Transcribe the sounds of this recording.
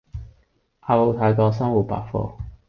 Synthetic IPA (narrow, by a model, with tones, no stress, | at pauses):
ʔaː˧wo˨˧wt̪ʰaː˨˧jkɔː˧s̬ɐ˥ŋwuː˨˩t̚pa̰ː˨k̚fɔ̰ː˧